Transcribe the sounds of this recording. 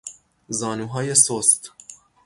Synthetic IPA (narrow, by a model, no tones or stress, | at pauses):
zɑːnuɦɑːjesost̪